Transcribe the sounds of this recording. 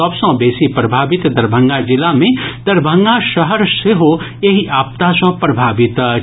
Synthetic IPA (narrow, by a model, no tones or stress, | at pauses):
ɐbsɐ̃beːsipɾɐbʱaːbɪt̪d̪ɐɾbʱə̃ŋɡad͡ʒɪlamẽd̪̥ɐɾbʱə̃ŋɡaʃəɦəɾseɦo | eɦiʔaːp̚t̪asɐ̃pɾɐbʱaːbɪt̪